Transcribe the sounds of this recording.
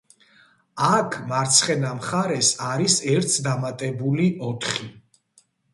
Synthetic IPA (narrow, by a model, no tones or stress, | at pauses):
akʰmaɾt̪sʰχɛnamχaɾɛsaɾisɛɾt̪ʰd̪amat̪ʼɛbuliʔɔt̪ʰχi